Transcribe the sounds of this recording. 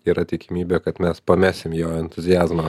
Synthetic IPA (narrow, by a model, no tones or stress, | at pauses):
iːɾɐt̪ʲɪkʲɪmʲiːbʲeːkɐt̪mʲɛspɐmʲæːsʲɪmjoːɛnt̪ʊzʲɪjæːzmɐ